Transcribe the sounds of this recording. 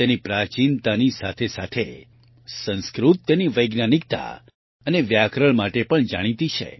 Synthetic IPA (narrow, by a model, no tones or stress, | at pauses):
t̪enipɾat͡ʃint̪anisa̰t̪ʰesa̰t̪ʰe | sə̃nskɾut̪̚ːeniʋəjɡnanik̚t̪a̰ | əneʋjakɾəɭmaʈepəɳd͡ʒa̰ɽ̃it̪it͡ʃʰḛ